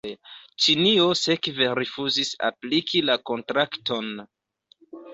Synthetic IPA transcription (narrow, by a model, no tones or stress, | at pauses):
t͡ʃinio̞se̞kve̞ɾifuzisa̰plikʰilako̞ntɾakto̞n